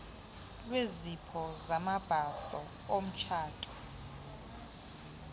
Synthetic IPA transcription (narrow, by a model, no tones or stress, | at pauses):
lwezipʰɔzamab̥ʱasɔ | om̩t͡ʃʰaːtʼɔ̥